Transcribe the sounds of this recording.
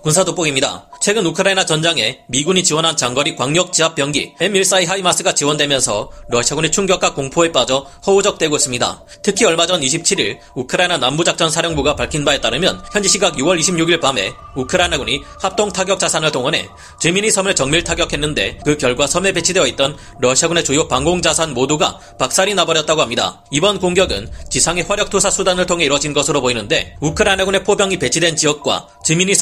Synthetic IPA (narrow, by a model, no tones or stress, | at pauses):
kunsʰadop͈oɡimɲida̰t͡ɕʰwe̞ɡɯnukʰɯɾainat͡ɕʌnd͡ʑaŋe̞miɡuɲit͡ɕiwʌnɦant͡ɕaŋɡʌɾikwaŋɲjʌk̚t͡ɕ͈iɦap̚p͈jʌŋɡḭemiɭs͈aiɦaimas͈ɯɡat͡ɕiwʌndwe̞mjʌnsʰʌɾʌɕʰiaɡunit͡ɕʰuŋɡjʌk͈ak͈oŋpʰoe̞p͈ad͡ʑʌ | hʌud͡ʑʌk̚t͈we̞ɡois͈ɯmɲida̰ | tʰɯkʰiʌɭmad͡ʑʌniɕʰip̚t͡ɕʰiɾiɭ | ukʰɯɾainanambud͡ʑak̚t͡ɕ͈ʌnsʰaɾjʌŋbuɡapaɭkʰinbae̞t͈aɾɯmjʌnçjʌnd͡ʑiɕʰiɡaɡjuwʌɭiɕʰimɲuɡiɭpame̞ | ukʰɯɾainaɡunihap̚t͈oŋtʰaɡjʌk̚t͡ɕ͈asʰanɯɭtʰoŋʌne̞̰ | t͡ɕemiɲisʰʌmɯɭt͡ɕʌŋmiɭtʰaɡjʌkʰe̞nːɯnde̞̰kɯkjʌɭɡwasʰʌme̞pe̞t͡ɕʰideʌit͈̚ʌn | ɾʌɕʰiaɡune̞t͡ɕojopaŋɡoŋd͡ʑasʰanmoduɡa̰ | pak̚s͈aɾinabʌɾjʌt̚t͈aɡohamɲida̰ | ibʌnkoŋɡjʌɡɯnt͡ɕisʰaŋeɸwaɾjʌk̚tʰosʰasʰudanɯɭtʰoŋɦe̞iɾwʌd͡ʑinɡʌsʰɯɾopoinɯnde̞ukʰɯɾainaɡune̞pʰobjʌŋipe̞t͡ɕʰidwe̞nt͡ɕiʌk̚k͈wa̰ | t͡ɕemiɲi